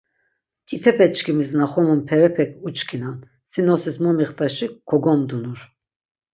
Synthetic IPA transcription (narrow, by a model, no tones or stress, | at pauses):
kʼit̪ʰɛpʰɛt͡ʃkʰimiznaχɔmunpʰɛɾɛpʰɛkʰut͡ʃkʰinan | sinɔsismɔmiχt̪ʼaʃikʰːɔɡɔmd̪unuɾ